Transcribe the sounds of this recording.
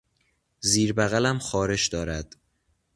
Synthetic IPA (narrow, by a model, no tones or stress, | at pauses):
ziːɾbæɣælæmxɒːɾe̞ʃd̪ɒːɾæd̪̥